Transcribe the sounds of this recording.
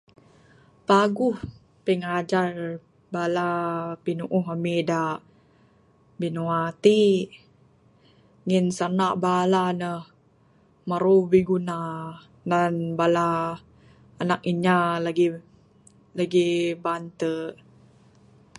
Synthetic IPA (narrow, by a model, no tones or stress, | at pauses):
paɡuh | pəŋad͡ʒar | balapinuʔuɦamidaʔ | binuat̪i | ŋinsanaʔbalanəh | maɾubiɡuna | nanbalaː | nak̚iɲalaɡi | laɡibant̪ə